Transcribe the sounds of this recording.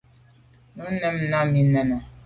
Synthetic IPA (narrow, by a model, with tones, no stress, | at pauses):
nɔ˦nɛ˦m˨na˦mi˦nɛ˨nɔ˨